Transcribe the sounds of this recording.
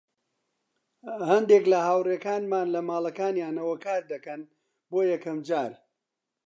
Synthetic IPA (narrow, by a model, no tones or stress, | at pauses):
hɐnd̪eklɐhaːwreːkaːnmaːnlɐmaːlˠɐkaːnjaːnɐwɐkaːɾd̪ɐkɐn | boːjɐkɐmd͡ʒaːɾ